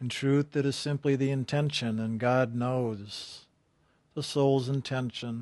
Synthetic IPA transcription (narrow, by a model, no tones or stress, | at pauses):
n̩tʰɹ̥ʉθɨɾɨz̥sɪ̃mpliðiɨ̃ntʰɛ̃nʃɨ̃nɨ̃nɡɑdⁿnoʊz̥ | ðəsoʊlˠzə̃ntʰɛ̃nʃɨ̃n